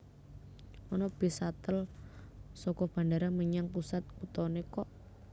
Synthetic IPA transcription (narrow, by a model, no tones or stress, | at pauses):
ɔnɔb̥i̤sat̪əl | sɔkɔb̥a̤ndaɾaməɲaŋpusat̪̚kut̪ɔnekɔʔ